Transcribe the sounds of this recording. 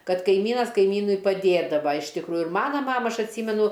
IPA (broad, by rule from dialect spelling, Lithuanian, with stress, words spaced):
ˈkɐt kɐɪˈmʲiːnɐs kɐɪˈmʲiːnʊɪ pɐˈdʲeːdɐʋɐ ɪʃ tʲɪkˈruːjʊ ɪr ˈmɑːnɐ ˈmɑːmɐ ˈɐʃ ɐtʲˈsʲiːmʲɛnʊ